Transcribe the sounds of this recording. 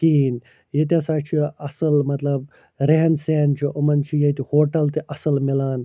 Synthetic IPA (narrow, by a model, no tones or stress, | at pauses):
kiːn | jet̪̬ʲɐsaːt͡ʃʰiɐsɐlmɐt̪lɐb | ɾeːnseːnt͡ʃʰiʔɐmɐnt͡ʃʰijet̪ihoːʈɐlt̪iʔɐsɐlmilaːn